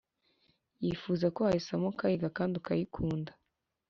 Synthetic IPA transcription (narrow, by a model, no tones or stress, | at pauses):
jifuːzakohaisamokajiɡakaːndiukajikʰuːndḁ